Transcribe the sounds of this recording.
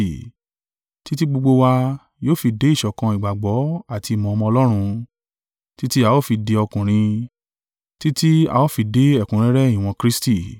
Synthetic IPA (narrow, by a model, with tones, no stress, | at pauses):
ti˦ti˦ɡ͡bo˧ɡ͡bo˧wa˧ | joː˦˨fi˧de˨˦i˦˨ʃɔ˨kã˧i˨ɡ͡ba˨ɡ͡bɔ˨˦a˦˨ti˧˨mɔ̃˨ɔ˧mɔ̃˧ɔ˧lɔ˦ɾ̃ũ˧ | ti˦ti˦a˧wo˦˨fi˧de˧ɔ˧kũ˨ɾ̃ĩ˧ | ti˦ti˦a̰˧o˦˨fi˧de˨˦ɛ˦˨kũ˨˦ɾ̃ĩ˦ɾɛ˦i˦˨w̃ɔ̃˧kɾi˦sti˦˨